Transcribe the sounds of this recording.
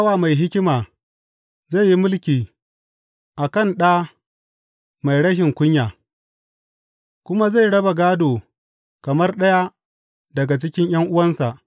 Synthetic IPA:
a˦waː˨ma˨jɦɪ˦kʲɪ˦maː˨ | za˦˨jːi˦mʊ˦lkʲiː˨ | ʔa˨kɐ˦˨nɗaː˦ | ma˨jɽɐ˦ʃ̬ɪ˨ŋkʷʊ˦ɲjaː˨ | kʷʊ˦ma˦za˦˨jɽɐ˦ba˨ɡaː˦doː˨ | kɐ˨mɐ˦rɗɐ˦ja˦ | dɐ˨ɡa˨t͡ʃɪ˦kʲɪ˦ɲj̰ɐ˦ŋʔʊ˦wɐ˦nsa˨ʔ

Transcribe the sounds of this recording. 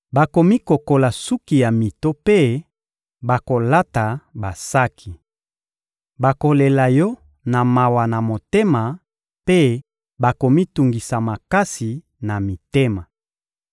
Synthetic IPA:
ba˨ko˨mi˦ko˨ko˨la˨su˦ki˨ja˨mi˨to˦pe˦ | ba˨ko˨la˦ta˨ba˨sa˦kʰi˨ | ba˨ko˨le˨la˨jɔ˦ | na˨ma˨wa˨na˨mo˨te˦ma˨ | pe˦ | ba˨ko˨mi˦tu˨ŋɡi˨sa˨ma˨ka˦si˨ | na˨mi˨te˦ma˨

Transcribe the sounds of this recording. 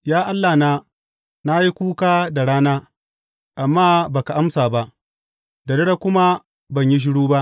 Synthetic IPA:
jaː˦ʔa˦lːaː˨naː˦ | na˦ji˦kʷuː˦kaː˦da˨ɽaː˦naː˦ | ʔa˨mːaː˦baː˨ka˨ʔa˦msaː˨ba˦ʔ | da˨dɪ˦ɽa˦kʷʊ˦ma˦ | bɐ˨ɲji˦ʃ̬ɪ˦ɽuː˦ba˦ʔ

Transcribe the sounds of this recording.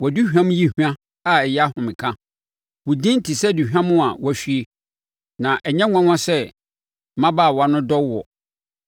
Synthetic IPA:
wɔ˨du˦hᶣã˦m̃˦ji˦hã˦ | a˦ɛ˨jɛ˦a˦hʊ̃˨mɪ̃˨kʰã˦ | wʊ˨dĩ˦n̩˦tʰi˨sɛ˦˨du˨hᶣã˦mʊ̃˦a˨wʔɔ˦æ˨ɕi˨˦e˨ | nã˨ʔɛ˨ɲɛ̃˦ŋʷã˦ŋʷ˦ã˦sɛ˦˨ | mã˦ba˦˨wɔ˨a˨nʊ̃˦dɔ˦wɔ̰˨

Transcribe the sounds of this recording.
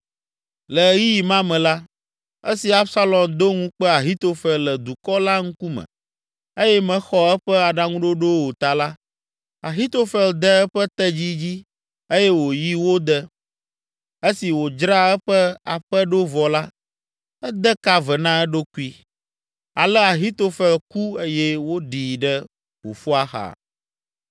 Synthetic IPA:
lə˨ji˦ji˨mã˦mɛ̃˨la˦ | ḛ˦si˨a˦bsa˦lɔ˨md̪o˦ŋũ˦k͡pɛ˦a˨ɦi˦t̪o˦fɛ˨llɛ˨d̪u˨kɔ˦la˦ŋũ˦ku˦mɛ̰̃˨ | e˦jɛ˦mɛ̃˦xɔ˦ɛ˦ɸɛ˦a˨ɖa˦ŋũ˦ɖo˦ɖo˦wo˨t̪a˨la˦ | a˨ɦi˦t̪o˦fɛ˨ld̪ə˦ɛ˦ɸɛ˦t̪ɛ˦d͡ʑi˦d͡ʑi˦ | e˦jɛ˦wo˨ji˦wo˦d̪ə˦ | e˦si˨wo˨d͡ʒɾa˦ɛ˦ɸə˦a̰˨ɸə˦ɖo˦vɔ˨la˦ | ɛ˦d̪ə˦ka˦və˨nã˦ɛ˦ɖo˦ku˦i˦ | a˨lɛ˦a˨ɦi˦t̪o˦fɛ˨lku˦e˦jɛ˦wo˦ɖiː˨ɖə˦ | wo̰˨fu˦a˦xa̰˨

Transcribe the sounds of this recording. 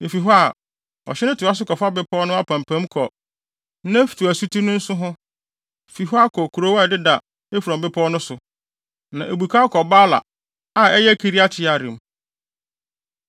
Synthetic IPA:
je˨fi˨ɦɔ˦a˨ | ɔ̰˨ɕɛ˦nʊ̃˦tʰɪ˨a˦sʊ˦kɔ˨fa˦bɪ˦pʰɔ˦nʊ̃˦a˦pʰã˨mpʰæ̃˦mkʰɔ˨ | nã˦fi̥˨tʰu˨æ˨su˦tʰi˦nʊ̃˦n̩˦sʊ˦ɦʊ̃˦ | fi˨ɦɔ˦a˦kʰɔ˨kʰu˨ɾo˦wa˦˨dɪ˦da˨ | e˦fu˨ɾɔ̃˨mbɪ˦pʰɔ˦nʊ̃˦sʊ˨ | nã˨ʔe˨bu˨kʰa˦kʰɔ˨baː˦la̰˨ | a˨ɛ˦jɛ˦kʰe˦ɾi˦a˦tʰɪ˨˦a˨ɾɪ̰̃˨m˨

